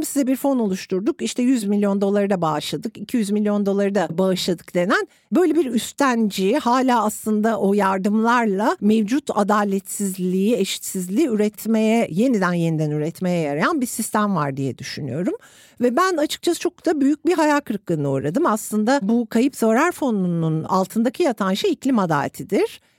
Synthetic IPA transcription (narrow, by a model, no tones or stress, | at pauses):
msizɛbiɾfo̞no̞lˠuʃt̪ʰuɾd̪ukiʃt̪ʰɛjyzmilʲjo̞nd̪o̞lˠaɾɯd̪abaːʃlˠad̪ɯkicʰijyzmilʲːjo̞nd̪o̞lˠaɾɯd̪abaɯʃlˠad̪ɯ̥kd̪e̞næn | bø̞jlʲebiɾyst̪ʰænd͡ʒihaːlʲaːaslˠɯnd̪aʔo̞jaɾd̪ɯmlˠaɾlˠamevd͡ʒut̪ʰa̰d̪aːlʲɛt̪sizlʲiieʃi̥t̪sizlʲiːyɾɛt̪ʰmejɛje̞nid̪ænje̞nid̪ænyɾɛt̪me̞jɛjaɾajanbiɾsist̪ʰæmva̰ɾd̪ijɛd̪yʃyny̰jo̞ɾum | vɛbænat͡ʃʰɯ̥k̚t͡ʃʰasɯ̥t͡ʃʰo̞k̚d̪abyjyc̚biɦajaːkʰɯɾɯk̪ːˠɯnɯoːɾad̪ɯmaslˠɯnd̪abukʰajɯpz̥aɾaɾfo̞nununa̰lˠt̪ʰɯnd̪acʰijat̪ʰanʃɯiclʲimad̪a̰ːlʲḛt̪ʰid̪iɾ̥